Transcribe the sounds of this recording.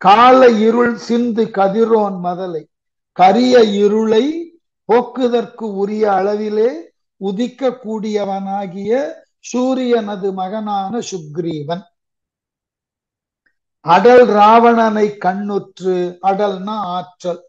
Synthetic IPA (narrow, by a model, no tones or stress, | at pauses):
kaːlɐɪɾɯɭsɪnd̪ɯkɐðɪɾoːnmɐðɐlɐɪ | kɐɾɪjɐɪɾɯɭɐɪ | poːkːɯðɐrkɯʊɾɪjɐːɭɐʋɪleː | ʊðɪkːɐkːuːɽɪjɐʋɐnaːɣɪjɐ | suːɾɪjɐnɐðɯmɐɣɐnaːnɐsʊɡɾiːʋɐn | ɐɽɐlɾaːʋɐɳɐnɐɪkːɐɳːʊʈrɯɐɽɐlnɐaːʈrɐl